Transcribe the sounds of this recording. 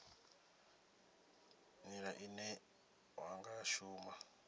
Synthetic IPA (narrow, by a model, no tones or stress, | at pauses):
ɲiɾaʔinɛ | waŋɡaʃuːma